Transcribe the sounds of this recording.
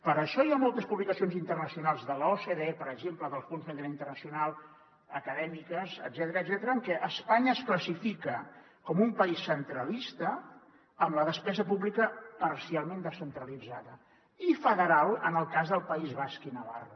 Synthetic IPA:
pəɾəʃɔjamolˠt̪əspuβlikəsionzint̪ərnəsiunalˠzðəloseðeepəɾəɡʒempləðəlˠsfunzðənd̪iɾaint̪ərnəsiunalˠ | əkəðɛmikəzə̰d̪zɛt̪əɾəːd̪zɛt̪əɾəːŋkɛʔəspaɲəːskləsifikə | kɔmumpəisːənt̪ɾəlist̪əː | mləðəspɛzəpuβlikəpərsialˠmend̪əsənt̪ɾəlid͡zaðə | ifəðəɾalˠə̰nəlˠkazðəlˠpəizβaskinəβa̰rə

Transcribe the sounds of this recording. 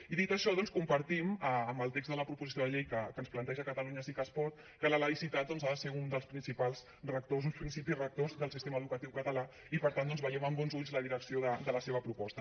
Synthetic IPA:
iðit̪əʃɔðɔnskumpəɾt̪iməːmbəlˠt̪eɡzðələpɾupuzisioðəʎejkəkənsplənt̪ɛʒəkət̪əluɲəsikəspɔɾt̪̚ | kələləisit̪at̪̚d̪ɔnzaðəseund̪əlˠspɾinsipalˠs | rək̚t̪ozunspɾinsipisrək̚t̪ozðəlˠsist̪eməðukət̪iwkət̪əla | ipəɾt̪and̪ɔnzβəjɛməmbɔnzuʎzləðiɾəksioðəd̪ələseβ̞əpɾupɔst̪ə

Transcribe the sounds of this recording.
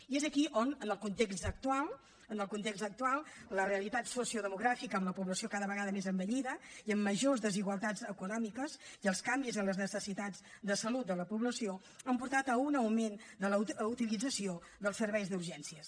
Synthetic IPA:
iezəkiʔonənəlˠkunt̪eksək̚t̪ualˠ | ənəlˠkunt̪ekzt̪ək̚t̪ualˠləreəlit̪at̪susiuðəmuɣɾafikəːmləpuβləsiokaðəβəɣaðəmezəmbəʎiðəiəmːəʒozðəziɣwəlˠt̪ad͡zəkunɔmikəziəlˠskambizənləznəsəsit̪ad͡zd̪əsəlut̪̚d̪ələpuβləsio | əmpuɾt̪at̪əunəwmend̪ələut̪ilid͡zəsio | ðəlˠsəɾβɛjzd̪uɾʒɛnsiəs

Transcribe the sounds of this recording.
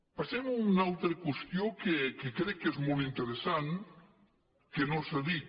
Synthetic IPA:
pasɛmunalˠt̪ɾəkwest̪jokekekɾɛkːezmolˠt̪int̪eɾesan | kenosaðit̪

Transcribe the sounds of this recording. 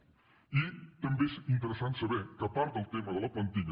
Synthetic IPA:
it̪əmbeʃint̪əɾəsant̪səβekɐpaɾt̪əlˠt̪eməd̪əlˠəpɐnt̪iɡ

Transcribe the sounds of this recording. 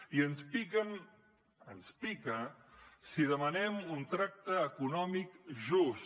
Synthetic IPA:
iənspikən | ənspikəsiðəmənɛmunt̪ɾak̚t̪əːkunɔmikʒus

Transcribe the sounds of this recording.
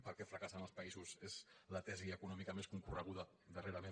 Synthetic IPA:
pəlˠkɛfɾəkasanəlˠspɐizuzezlət̪ɛziəkunɔmikəmeskuŋkurəɣuðə | d̪əreɾəme

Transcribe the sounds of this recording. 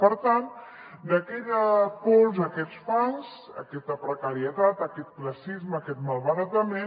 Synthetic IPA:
pəɾt̪an | d̪əkɛʎəkɔlzəkɛt͡sfanz | ə̰kɛst̪əpɾəkəɾiət̪at̪əkɛt̪̚kləsizməːkɛt̪məlˠβəɾat̪əme

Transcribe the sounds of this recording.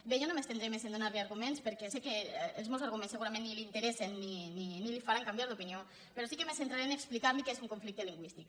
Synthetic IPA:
beʒɔnomest̪end̪ɾemesend̪unaɾliaɾɣumenspəɾkɛsekeːlzmewzaɾɣumẽnseɣuɾamẽnːilint̪eɾesenːininilifaɾaŋkambjaɾlupinio | peɾɔsikemesent̪ɾaɾeneksplikaɾmikezuŋkuɱflik̚t̪eliŋɡwist̪ik

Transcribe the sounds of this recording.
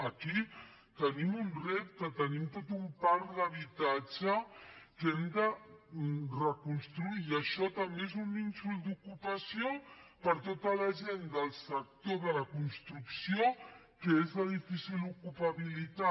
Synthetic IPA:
əki | t̪ənimunrep̚kət̪ənimt̪ot̪umpaɾləβ̞it̪ad͡ʒəkɛmd̪ə | rəkunst̪ɾuiːəʃɔt̪əmbeezuninsuld̪ukupəsiopəɾt̪ot̪əlɐʒend̪əlˠsək̚t̪oðələkunst̪ɾuksio | kəezləðifisilukupɐβilit̪a

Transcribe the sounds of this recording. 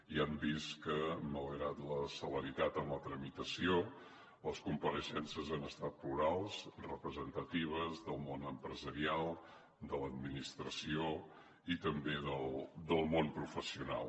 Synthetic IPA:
iambiskəmələɣɾat̪ləsələɾit̪at̪əmlət̪ɾəmit̪əsio | ləskumpəɾəʃɛnsəzanəst̪at̪̚pluɾalˠsrəpɾəzənt̪ət̪iβ̞əzðəlˠmonəmpɾəzəɾialˠ | d̪ələd̪minist̪ɾəsio | it̪əmbeðəlˠd̪əlˠmonpɾufəsiuna̰lˠ

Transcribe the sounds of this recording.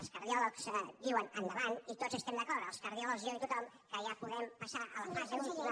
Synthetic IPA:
lˠskəɾðjɔləksd̪iwənənd̪əβanit̪ozəst̪ɛmd̪əkɔɾɾəlˠskəɾðiulɔʒjoit̪ut̪ɔm | kəjapuðɛmpasaʔələfazemii

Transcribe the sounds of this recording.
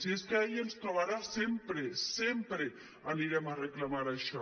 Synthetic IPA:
sieskeɛjenst̪ɾoβaɾasempɾesempɾe | aniɾɛməreklamaɾaʃɔ

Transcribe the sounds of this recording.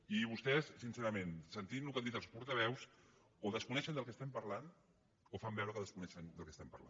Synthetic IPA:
iβust̪ɛsːinseɾəmensənt̪inlukand̪it̪əlˠspuɾt̪əβɛws | oðəskunɛʃənd̪əlˠkəst̪ɛmpəɾlan | ofambɛwɾəkəðəskunɛʃənd̪əlˠkəst̪ɛmpə̰ɾla̰n

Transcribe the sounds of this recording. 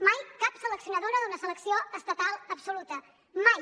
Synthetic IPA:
majkapsələksiunəðoɾəðunəsələksioəst̪ət̪alˠəpsulut̪ə | maj

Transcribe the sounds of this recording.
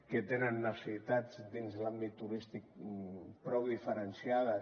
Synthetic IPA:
ket̪enənːəsəsit̪ad͡zd̪inzlambit̪ːuɾist̪ik̚pɾɔðifəɾensiaðə

